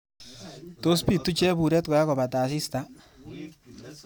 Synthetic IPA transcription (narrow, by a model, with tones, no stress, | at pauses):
to˦spi˨tːu˦t͡ʃɛ˦bu˨ɾɛ˦t̚ka˨a˦kɔ˨ba˨taː˨s̬ɪ˦sta˦